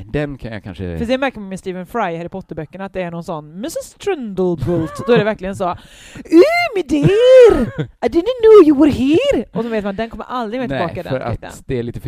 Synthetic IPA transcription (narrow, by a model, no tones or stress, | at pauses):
d̪ɛnkʰanja̰kʰa̰nʂə̰fœsɛnmæɾkəɾmanmɛst̪iːvənfɾajhæɾɪpʰɔt̪ːəɾbœkːəɳat̪̚d̪ɛːɳɔnsɔnːmɪsɪst̪ʰɾɪnd̪əlbʊlt̪d̪ɔæɾɖɛvæɾklɪɡənsɔ | ʉmɪd̪ɛɾajd̪ɪd̪nnuːjuwəɾɦiːɾʔɔsɔnveːt̪mand̪ɛnkʰɔmːə̰ɾʔald̪ɾɪɡmɛːt̪ʰɪbɑːkaɪd̪ɛ̰ɾa̰t̪ːə̰nd̪ɛæɭiːt̪ə